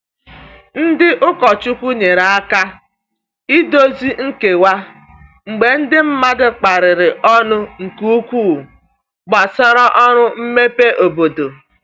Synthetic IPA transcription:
n̩˦dɪ˦ʔʊ˦kɔ˨t͡ʃu˦kʷu˦ɲe˨ɾa˨a˦ka˦ | i˦do˦zi˦ŋ̩˦ke˨wa˦ | ŋ͡m̩˨ɡ͡be˨n̩˦dɪ˦m̩˦ma˦dʊ˦k͡pa˨ɾɪ˨ɾɪ˨ʔɔ˦nʊ˦ŋ̩˨ku˦u˦kʷuː˦˨ | ɡ͡ba˨sɔ˦ɾɔ˦ʔɔ˦ɾʊ˦m̩˦me˦pe˦ʔo˨bo˨do˨

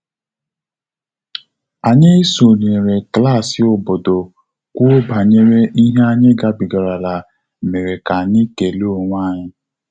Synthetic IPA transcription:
a˨ɲɪ˦so˨ne˨ɾe˨kla˦˨sɪ˨ʊ˨bo˨do˨ | kʷʊ˦ba˨ɲe˦ɾe˦ʔi˦ɦe˦a˦ɲɪ˦ɡa˨bi˨ɡa˨ɾa˨la˨ | me˨ɾe˨ka˨ni˦ke˨le˦o˨ŋʷa˦˨ɲɪ˦

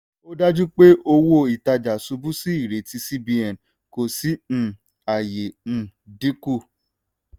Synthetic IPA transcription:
o˦da˦d͡ʒu˦k͡pe˦ʔo˧wo˦˨i˨ta˧d͡ʒa˨su˧bu˦si˦i˦˨ɾe˨ti˧si˦bi˧ɛ˨n˨ | ko˨si˨˦ñ̩˧ | a˨je˨ñ̩˧di˦ku˦˨

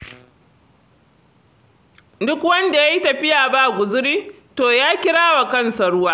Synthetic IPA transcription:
dʊ˦kwɐ˦nda˨ja˦ji˦tɐ˨ɸɪ˦jaː˨ba˦ʔɡʷʊ˨zʊ˦ɽiː˦ | toː˨jaː˦kʲɪ˦ɽaː˦wa˨kɐ˦˨nsɐ˨ɽʊ˦waː˦

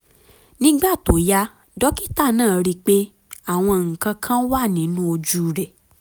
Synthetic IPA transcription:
nĩ˦ɡ͡ba˦˨to˨˦ja˧ | dɔ˨˦ki˦ta˦˨nãː˦˨ɾi˧k͡pe˦ | a˦˨w̃ɔ̃˧ŋ̩˨kã˧kʰã˦wa˦˨nĩ˨˦nũ˦o˧d͡ʒu˧˨ɾɛ˨

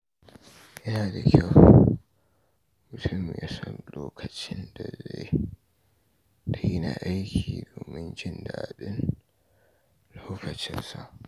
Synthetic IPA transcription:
jɐ˦naː˨da˨kʲʰa˦w | mʊ˨tʰʊ˦˨mjaː˦sɔ˦nloː˦kʰɐ˨t͡ʃɪ˦nda˨ze˦j | tʰa˨ji˦na˨ʔa˦jkʲiː˨doː˨mɪ˦nd͡ʒɪ˦ndaː˨ɗɪ˦n | loː˦ɸɐ˨t͡ʃɪ˦nsa˨ʔ

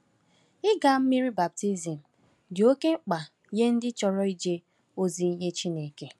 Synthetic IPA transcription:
ɪ˦ɡa˨m̩˦mi˦ɾi˦ba˨p̚ti˦zi˨m̩˨ | dɪ˨o˦ke˦ŋ͡m̩˦k͡pa˨ | je˦n̩˦dɪ˦t͡ʃɔ˨ɾɔ˦i˦d͡ʒe˦ | o˦zi˨n̩˦ɦe˦t͡ʃi˦ne˨ke˨

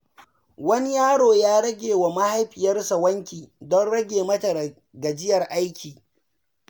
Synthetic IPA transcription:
wɐ˦ni˦jaː˦ɽoː˨jaː˦ɽɐ˦ɡʲeː˨wa˨ma˦ha˦jɸɪ˨jɐ˦rsa˨wɐ˦ŋkʲiː˨dɔ˦nɽɐ˦ɡʲeː˨mɐ˦tɐ˨ɾɐ˨ | ɡɐ˨d͡ʒɪ˦jɐ˨rʔa˦jkʲiː˨

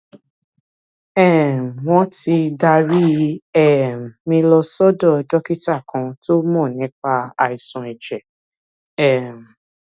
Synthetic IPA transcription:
ɛ˦˨m˨w̃ɔ̃˦ti˧da˧ɾi˦ɛ˦˨m˨mĩ˧lɔ˧sɔ˦dɔ˦˨˧dɔ˦ki˦ta˦˨kʰã˧to˦mɔ̃˦˨nĩ˨˦k͡pa˦a̰˧˨i˨sũ˨˧˨ɛ˨d͡ʒɛ˨ | ɛ˦˨m˨

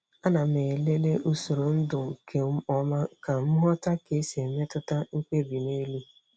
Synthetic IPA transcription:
a˦na˨me˨le˦le˦ʔu˦so˨ɾo˨n̩˦dʊ˨ŋ̩˨kʰe˨m̩˦ɔ˦ma˦ka˨m̩˦ɦɔ˦ta˦ke˨˦se˨me˦tʊ˦ta˦ŋ̩˦kk͡pe˦bi˨ne˦lu˦

